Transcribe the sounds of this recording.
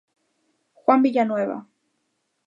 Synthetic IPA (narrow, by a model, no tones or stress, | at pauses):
xwambiʎanweβa̰